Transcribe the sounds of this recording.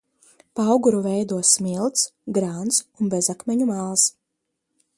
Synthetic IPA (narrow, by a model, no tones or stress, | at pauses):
pawɡuɾuvɛjd̪uɔsmilˠt̪sɡɾant̪sunbezakmʲɛɲumaːlˠs